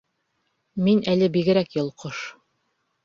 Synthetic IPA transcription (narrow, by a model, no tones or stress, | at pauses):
minʔælɘbiɡɘ̆ɾækjŏlˠqoʃ